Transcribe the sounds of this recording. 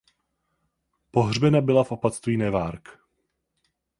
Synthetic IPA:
po̞ɦr̝bɛnabɪlafʔopat̪st̪viːnɛvaːɾk

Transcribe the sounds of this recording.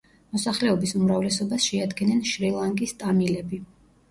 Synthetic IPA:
mɔsaχlɛɔbisumɾavlɛsɔbasʃɛad̪ɡɛnɛnʃɾilˠaŋkʼist̪ʼamilɛbi

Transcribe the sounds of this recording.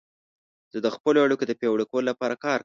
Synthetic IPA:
z̥əd̪əxpəloaɽukod̪əpewɽekololapɑɾakɑɾ

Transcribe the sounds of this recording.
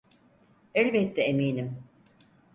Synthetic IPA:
ɛlʲbɛt̪ːɛemiːnim

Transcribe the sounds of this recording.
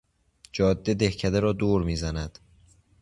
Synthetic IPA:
d͡ʒɒːd̪ːe̞d̪e̞hcʰæd̪eɾɒːd̪oːɾmiːzænæd̪̥

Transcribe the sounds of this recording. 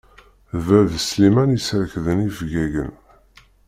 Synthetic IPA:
væðslimænjəsɾəkðənifɡæʝə̰n

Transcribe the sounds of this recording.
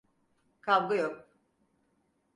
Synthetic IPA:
kʰabɡɯjok̚

